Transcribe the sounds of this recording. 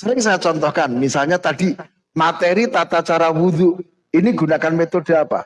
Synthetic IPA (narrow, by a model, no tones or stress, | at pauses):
səɾɪŋsajat͡ʃɔnt̪ɔhkanmisalɲat̪aɖ̥i̤ | mat̪eɾit̪at̪at͡ʃaɾawuðuʔ | iniɡ̥ṳnakanmet̪oɖ̥e̤apa̰